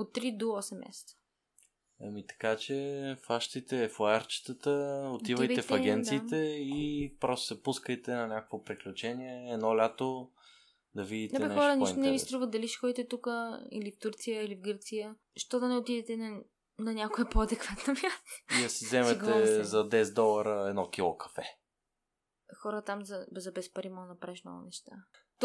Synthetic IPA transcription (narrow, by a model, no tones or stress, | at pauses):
ot̪ːɾid̪oɔsɛmːa̰sɛ̥t̪sə̥ | amit̪ɐ̥kat͡ʃɛfaʃt̪it̪ɛːfaaɾt͡ʃi̥t̪ət̪əot̪ivəjvɛfɐɡʲɛnt̪siːt̪ɛipɾɔst̪o̥sɛpuskəjt̪ɛnɐnʲakəkvopɾiklʲut͡ʃɛniɛːdnɔlʲat̪o | d̪ɐvid̪itnɛɛbɛxɔɾəniʃt̪onɛvist̪ɾuvət̪d̪ɐliʃxɔit̪ɛt̪ukəḭlift̪uɾt̪sijəilivɡɤɾt̪sijə | ʃt̪ɔd̪ɐnɛot̪id̪ɛt̪ɛn | nɐnʲakoɛpoɐd̪ɛkv̥at̪nomʲjast̪oiɐsizɛmɛt̪ɛzɐd̪ɛsɛd̪ɔlˠɐɾəɛd̪nɔkʲilˠokɐ̥fɛ | xɔɾət̪amzɐzɐbɛspɐɾimɔnɐpɾɛʃno̰nɛʃt̪a | t̪